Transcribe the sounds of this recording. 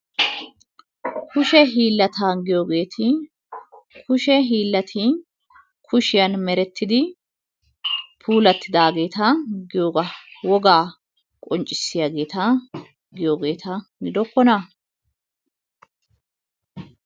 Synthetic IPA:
kʊʃɛɦiːlːɐt̪aːnɡɪjoːɡe̞ːt̪ʰɪ | kʰʊʃɛɦiːlːɐt̪ʰi | kʰʊʃɪjɐnmɛɾɛt̪ʰːɪd̪ɪ | pʰuːlɐt̪ːɪd̪aːɡe̞ːt̪ɐɡɪjoːɡɐwɔɡaː | kʼɔnt͡ʃʼːɪsːɪjaːɡe̞ːt̪ɐ | ɡɪjoːɡe̞ːt̪ʰɐɡɪd̪ɔkːɔnɐ

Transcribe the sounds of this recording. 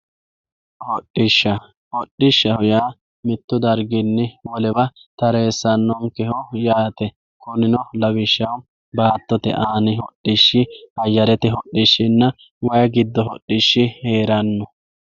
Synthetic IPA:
hɔɗːɪʃːɐ | hɔɗːɪʃːɐhɔjaː | mɪt̪ːʊd̪ɐɾɡɪnːɛwɔlɛbɐt̪ɐɾe̞ːsːɐnːɔmkɛhɔjaːt̪ɛ | kɔnɪnɔlɐbɪʃːɐw | baːt̪ːɔt̪ɛ̰ʔaːnɪhɔɗːɪʃːɪɐjːɐɾɛt̪ɛɦɔɗːɪʃːɪnːɐ | wɐjɐɡɪd̪ːɔɦɔɗːɪʃːɪheːɾɐnːɔ

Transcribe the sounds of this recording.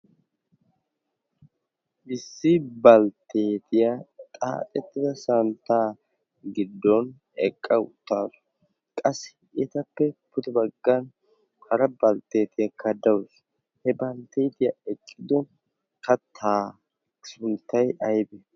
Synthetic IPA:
ʔɪsːɪbɐlt̪e̞ːt̪ɪjat̪ʼa̰ːt̪ʼɛt̪ːɪd̪ɐsɐnt̪ːaː | ɡɪd̪ːɔn | ɛkʼːɐʊ̰t̪ːaːzɔ̥ | kʼɐsːɪ̥ | ɛt̪ɐpːɛpʊt̪ɪbɐɡːɐn | hɐɾɐbɐlt̪e̞ːt̪ɪjɐkʰɐd̪ɐwʊs | hɛbɐlt̪ːejt̪ɪjɐɛkʼːɪd̪ɔ | kɐt̪ʰaː | sʊnt̪ːɐjɐjbɛ

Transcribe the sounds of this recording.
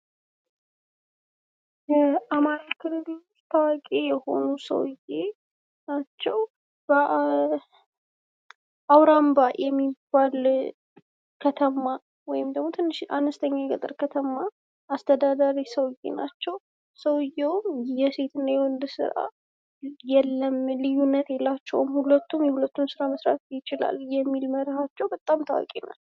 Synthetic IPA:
jɛamaɾakʰɨlɨlst̪ʰawakʼejɛho̞̰nusə̰wje | nat͡ʃːɛw | bə | ʔawɾambajʔɛmːibːal | kʰət̪ʰəma | wɔjɪmd̪əɡmo̞t̪ʰɨnːɨʃʔanəst̪ʰəɲːajɛkʼə̰t̪ʼɨɾkʰət̪ʰəmːa | ast̪ʰəd̪ad̪aɾisəwjḛnat͡ʃːɛw | səwjɛwmjɛse̞t̪ɨnːajɛwɔnd̪sɨ̰ɾa̰ | jɛlːəmlɨjːunːət̪jɛlːat͡ʃːɛwmhulət̪ːumjɛhulət̪ːumsɨɾaməsɾa̰t̪jɪt͡ʃɪla̰ljɛmːilməɾəhat͡ʃːɛwbət̪ʼamt̪ʰawa̰kʼena̰l

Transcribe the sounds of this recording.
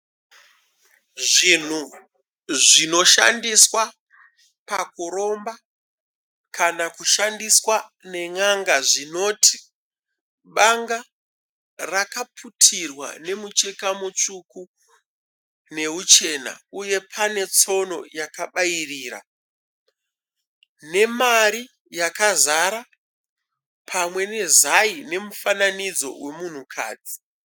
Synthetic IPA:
ʐin̤u | ʐino̞ʃa̰ndiswa | pakuɾo̞mba | kʰanakuʃandiswane̞ŋaŋɡaʐino̞tʰi̥ | ɓaŋɡa | rakapʰutʰirwa̰ne̞mut͡ʃe̞kamut͡ʃuku | ne̞ɦut͡ʃe̞na̰uje̞pʰane̞t͡so̞no̞̰jakaɓairiːɾa̰ | ne̞maɾi | jakazaɾa | pʰamwe̞ne̞zaine̞mufananid͡zo̞̰we̞mun̤ukʰa̰ːd͡zi

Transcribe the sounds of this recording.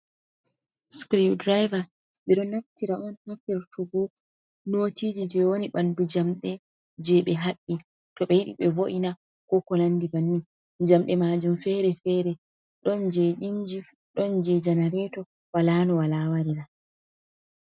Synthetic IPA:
skɾidɾajva | ɓɛɗɔnaftiɾaʔɔnhafiɾtuɡɔ | noːtid͡ʒid͡ʒɛwoniɓandud͡ʒamɗɛ | d͡ʒɛɓɛɦaɓːi | tɔɓɛjiɗḭɓɛvoʔina | kɔkɔnandibanːi | d͡ʒamɗɛmad͡ʒumfɛɾɛfɛɾɛ | ɗɔnd͡ʒɛʔiɲd͡ʒi | ɗɔnd͡ʒɛd͡ʒanaɾɛtɔ | walanɔwalawaɾiɾa

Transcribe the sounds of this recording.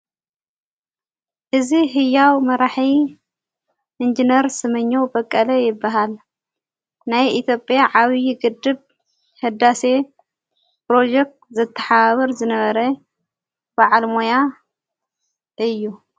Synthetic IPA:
ʔɨziɦɨjːawmɐɾaħi | ʔɨnd͡ʒinɐɾsɨmɨɲːo̞bɐkʼːɐlɐjɪbːaɦal | najʔit̪ʰjo̞pʼjaʕaβjɡɨd̪ːɨβ | hɨd̪ːase̞ | pɾo̞d͡ʒek̚t̪zɐt̪ʰːɐ̥ħaaβɐɾzɨnɐβɐɾɐ | baʕalmoja | ʔɨjːu

